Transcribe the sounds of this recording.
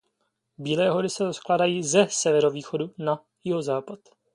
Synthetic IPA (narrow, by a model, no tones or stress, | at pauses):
biːlɛːɦo̞ɾɪsɛɾosklaːdajiːzɛsɛvɛɾo̞viːxo̞duna | jɪɦo̞zaːpat̪